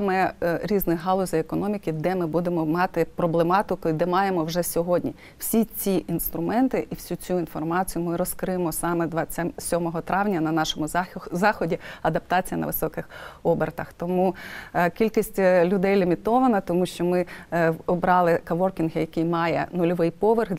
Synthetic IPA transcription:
smɛɾʲiznɪɦɑlˠɔzʲɐekɔnɔmʲikʲɪd̪ɛmɪbud̪emɔmɑt̪ɪpɾɔblˠemɑt̪ɪkʊd̪ɛmɑjemɔwʒɛsʲɔɦɔdʲnʲi | w̥sʲit͡sʲiʔinst̪ɾʊmɛnt̪ɪʔiwsʲut͡sʲuinfɔrmɑt͡sʲijʊmɪɾɔskɾɪjemɔsɑmɛd̪ʋɐt͡sʲasʲɔmɔɦɔt̪ɾɑʋnʲɐnɐnɑʃɔmʊzɑxɔdʲiɐd̪ɐp̚t̪ɑt͡sʲijɐnɐ̰ʋɪsɔkɪxɔbert̪ɐxt̪ɔmukʲilʲkʲisʲtʲlʲʊd̪ɛjlʲimʲit̪ɔʋɐnɐt̪ɔmuʃt͡ʃɔmɪɔbɾɑlˠɪkɐʋɔrkʲinɦɪjɐkɪjmɑjɛ̰nʊlʲɔʋɪjpɔʋerx

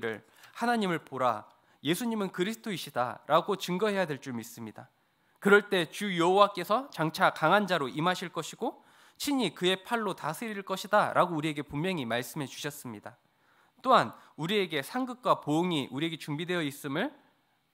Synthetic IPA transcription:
ɾɯɭ | hanaɲimɯɭpoɾa̰ | je̞sʰuɲimɯnkɯɾisʰɯ̥tʰoiɕʰida̰ɾaɡot͡ɕɯŋɡʌɦe̞jadwe̞ɭt͡ɕ͈umis͈ɯmɲida | kɯɾʌɭt͈e̞t͡ɕujʌɦowak͈e̞sʰʌt͡ɕaŋt͡ɕʰakaŋɦand͡ʑaɾoʔimaɕʰiɭk͈ʌɕʰiɡ̥o | t͡ɕʰiɲikɯe̞pʰaɭːotasʰeɾiɭk͈ʌɕʰidaɾʔaɡouɾie̞ɡe̞pummjʌŋimaɭs͈ɯmɦe̞t͡ɕu̥ɕʰʌs͈ɯmɲida | t͈oanuɾie̞ɡe̞sʰaŋɡɯk̚k͈wapoɯŋiʔuɾie̞ɡe̞t͡ɕuŋbidwe̞jʌis͈ɯmɯɭ

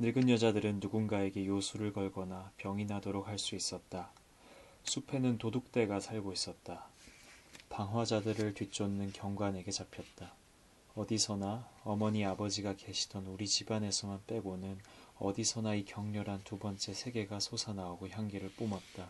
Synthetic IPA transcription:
nɯɭɡɯnjʌd͡ʑadɯɾɯnːuɡunɡae̞ɡe̞josʰuɾɯɭkʌɭɡʌnapjʌŋinɦadoɾok̚haɭs͈uis͈ʌt̚t͈a | sʰupʰe̞nɯntodok̚t͈e̞ɡasʰaɭɡois͈ʌt̚t͈a | paŋɦwad͡ʑadɯɾɯɭtɥit͡ɕ͈ʰonːɯnkjʌŋɡwane̞ɡe̞t͡ɕapʰjʌt̚t͈a | ʌdisʰʌnaʌmʌɲiabʌd͡ʑiɡakeɕʰi̥dʌnuɾit͡ɕibane̞sʰʌmanp͈e̞ɡonɯnʌ̰disʰʌnaikjʌŋɲʌɾantubʌnt͡ɕ͈e̞sʰe̞ɡe̞ɡasʰosʰanaoɡoçjaŋɡiɾɯɭp͈omat̚t͈a

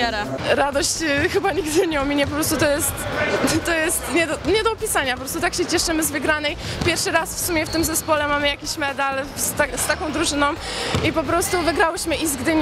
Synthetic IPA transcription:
aɾaɾad̪ɔɕt͡ɕxɘbaɲiɡd̪ɨɲɛɔmʲiɲɛp̬ɔpɾɔst̪ut̪ɔjɛst̪t̪ːɔjɛst̪ɲɛd̪ɔɲɛd̪ɔɔpʲisaɲapɔpɾɔst̪ut̪akɕɛt͡ɕɛʂɘmɘzvɘɡɾanɛjpʲjɛɾfʂɘɾasfsumʲjɛft̪ɘmzɛspɔlɛmamɘjakʲiɕmɛd̪alst̪ast̪akɔ̃w̃d̪ɾuʐɘnɔ̃w̃ | ipɔpɾɔst̪uvɘɡɾawɘɕmɘʔizɡd̪ɘɲ

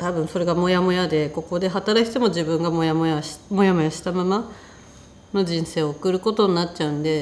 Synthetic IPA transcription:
t̪abɯ̟̃ɰ̃so̞ɾe̞ɡamo̞jamo̞jad̪e̞ko̞ko̞d̪e̞ɦat̪aɾakʲi̥t̪e̞mo̞d͡ʑibɯ̟̃ŋɡamo̞jamojaɕmo̞jamo̞jaɕi̥t̪amama | no̞d͡ʑĩɰ̃se̞ːoːkɯ̟ɾɯ̟ko̞t̪oɲʲnatt͡ɕaɯ̟̃nd̪e̞

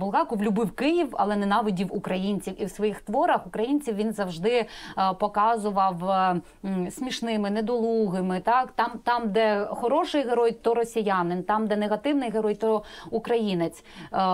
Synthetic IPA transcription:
bʊlˠɣɑkʊʋlʲʊbɪwkɪjiwɐ̰lˠɛnɛnɑʋʲɔdʲiwukɾɐjinʲt͡sʲiwiwsʋɔjixt̪ʋɔɾɐxʊkɾɐjinʲt͡sʲiwʋʲinzɐwʒd̪ɪpɔkɑzʊʋɐw | sʲmʲiʃnɪmɪnɛd̪ɔlˠuɣɪmɪt̪ɑkt̪ɑmt̪ɑmd̪ɛxɔɾɔʃɪjɦeɾɔjt̪ɔɾɔsʲijɑnɪnt̪ɑmd̪ɛneɣɐt̪ɪwnɪjɦeɾɔjt̪ɔukɾɐjinet͡sʲ

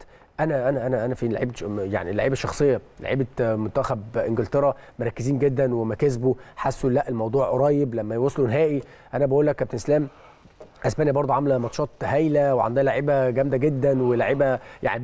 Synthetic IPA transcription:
ʔænæʔænæʔænæʔænæfila̰ʕiːb̪ja̰ʕnila̰ʕiːbæʃːɑxsˤejːɑla̰ʕḭːbemont̪ːæxæbʔɪnɡelt̪eɾˤɑmoɾˤɑkːeziːnɡed̪ːænwemækæzbuħasːulæʔːelmɑwd̪ˤuːʕʔɾˤɑːjːeblæmːæjwosˤːlunɦæːʔi | ʔænæbæʔuːlːækːæb̚t̪enslæːm | ʔæsbæːnjæbɑɾd̪uʕamlæmɑt̪ʃɑːt̪hæjlæweʕa̰nd̪æːlaʕiːbæɡæmd̪æɡed̪ːænwelaʕiːbæja̰ʕni

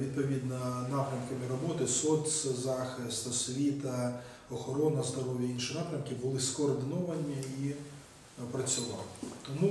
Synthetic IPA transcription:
id̪̚pɔʋʲid̪nɐnɑpɾʲɐmkɐmɪɾɔbɔt̪ɪsɔsʲzɑxɪst̪ɐsʲʋʲit̪ɐ | ɔxɔɾɔnɐzd̪ɐɾɔʋʲjɐinʃɪinɑpɾʲɐmkʲɪbʊlˠɪskɔːrd̪ɪnɔʋɐnʲii | pɾɐt͡sʲʊʋɑ̰lˠɪt̪ɔmu

